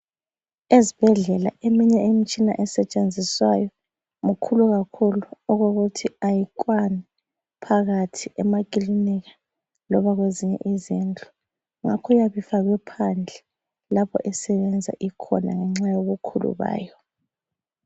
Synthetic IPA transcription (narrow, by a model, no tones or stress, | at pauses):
ezib̥ʱɛɮɛla̰emiɲɛemit͡ʃʼina̰ʔɛsɛt͡ʃʼend͡zʱiswajɔ | ŋukʰuluɣakʰuluɔɣoɣutʰiajik̬ʼwanɛ | pʰaɣatʰiʔɛmakʼiliniɣa | lɔβaɣweziɲɛ̰ʔizind͡ɮʱɔ | ŋakʰɔjaβifaɣwɛpʰand͡ɮʱɛ | lapʰɔ̰ʔɛsɛβɛnd͡zʱa̰ʔikʰɔna̰ŋɛŋ͡ǁajoɣukʰulṵβa̰ːjɔ